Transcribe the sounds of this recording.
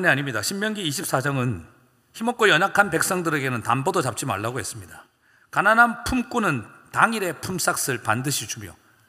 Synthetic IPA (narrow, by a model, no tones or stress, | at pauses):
neaɲimɲidaɕʰimːjʌnɡiːɕʰip̚s͈ad͡ʑʌŋɯn | çimʌk͈ojʌɲakʰanpe̞k̚s͈ʌŋdɯɾe̞ɡe̞nɯntanbʌdot͡ɕap̚t͡ɕ͈ima̰ɭːaɡoɦe̞s͈ɯmɲida | kanananpʰumk͈unɯntaŋiɾe̞pʰums͈ak̚s͈ɯɭpandɯɕʰit͡ɕʰumjo̰